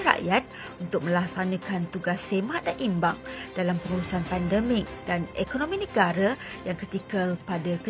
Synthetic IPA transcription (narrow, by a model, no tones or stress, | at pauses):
ɾa̰ʔjat̪̚ | unt̪ʊk̚mə̃laksanãkant̪uɡasːemãʔdanʔimbaŋd̥alampəŋuɾusanpandəmɪk̚danekonõmĩnə̃ɡaɾajaŋkət̪ikəlpadakə